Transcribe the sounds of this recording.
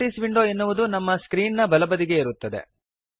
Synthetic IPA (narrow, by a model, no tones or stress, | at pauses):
ʈisʋiɳɖoːenːuʋud̪unɐmːɐskɾiːnnɐbɐlɐbɐd̪iɡe̞iɾut̪ːɐd̪e̞̰